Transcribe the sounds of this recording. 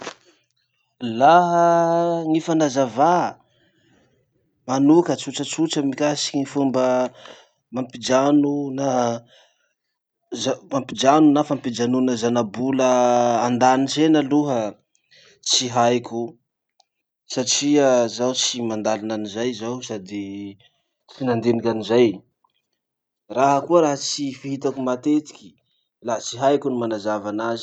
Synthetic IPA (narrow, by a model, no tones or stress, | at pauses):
laɦəŋifanazava | manukət͡suʈ͡ʂət͡suʈ͡ʂəmikasi̥kiŋifumbə | mampid͡ʒanuna | zamampid͡ʒanunafampid͡ʒanunəzanabuləand̪anisenəluɦə | t͡siɦajkʲu | saʈ͡ʂiəzawt͡simand̪alinanizajzawsad̪i | t͡sinand̪enikʲanizaj | raɦəkuəɾaɦət͡sifiɦit̪akumat̪et̪i̥kʲi̥ | lat͡siɦajkunimanazavanazi